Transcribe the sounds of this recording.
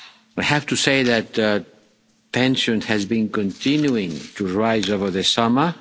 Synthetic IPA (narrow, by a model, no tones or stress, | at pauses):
wajhæft̪useɪðæt | pɛ̃nʃɔ̃nhɛzbĩnkɔ̃nt̪ʰĩnjuɪ̃ŋtuɹaɪzovə˞ðəsʌmə˞